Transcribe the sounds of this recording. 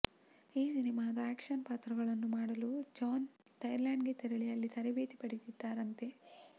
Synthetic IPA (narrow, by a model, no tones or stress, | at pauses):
iːsinimaːd̪ɐaːkʂɐnpaːt̪ɾɐɡɐɭɐnːumaːɽɐlud͡ʒaːn | t̪ɐjɐɾlaːɳɖɡet̪eɾɐɭijɐlːit̪ʰɐɾebeːt̪ipɐɽit̪id̪ːaːɾɐnt̪e̞